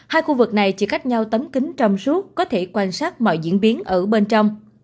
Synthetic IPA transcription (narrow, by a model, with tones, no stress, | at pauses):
haː˧jxu˧vɨ˨˩k̚na˨˩jt͡ɕi˧˩xa˦˥jk̟̚ɲa˧wt̪ə˨˦mkï˨˦ŋ̟t͡ɕɔ˧wŋ͡msu˦˥əkːɔ˨˦t̪ʰe˧˩kwaː˧nsaː˦˥t̚mɔ̰˧˨jzḭ˧˥ənɓi˨˦ənʔəː˧˩ɓe˧nt͡ɕɔ˧wŋ͡m